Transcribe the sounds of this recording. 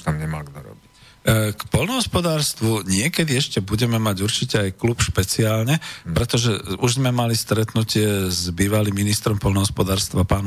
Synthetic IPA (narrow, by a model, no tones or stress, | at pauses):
t̪amɲɛma̰lɡnɔ̰ɾɔ̰bi | kpɔʎnɔɦɔspɔd̪aːɾst̪ʋuɲɪɛkɛd̪iɛʃcɛbuɟɛmɛmaɟuɾt͡ʃicɛajklupʃpɛt͡siaːlɲɛpɾɛt̪ɔʒɛuʒzmɛmalist̪ɾɛt̪nucɪɛzbiːʋalimːinist̪ɾɔmpɔlnɔɦɔspɔd̪aːɾst̪ʋapaːn